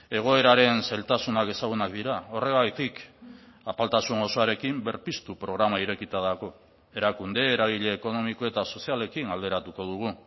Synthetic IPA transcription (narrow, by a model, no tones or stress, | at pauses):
e̞ɣ̞o̞e̞ɾaɾe̞nsalt̪asunake̞saɣunakd̪iɾao̞re̞ɣajt̪ik | apalt̪asuŋo̞soaɾe̞kimbe̞ɾpist̪upɾo̞ɣɾamaiɾe̞kit̪aðako̞ | e̞ɾakund̪e̞ːɾaɣ̞iʎe̞ːko̞no̞miko̞e̞t̪aso̞siale̞kinald̪e̞ɾat̪uko̞ð̞uɣ̞u